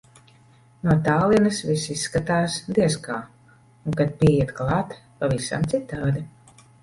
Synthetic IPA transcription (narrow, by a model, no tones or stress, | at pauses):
nuɔt̪aːlˠinɐsvisisːkat̪aːsd̪iɛskaː | uŋkat̪̚piɛjɛt̪klˠɑːt̪pavisa̰mt̪sit̪aːd̪i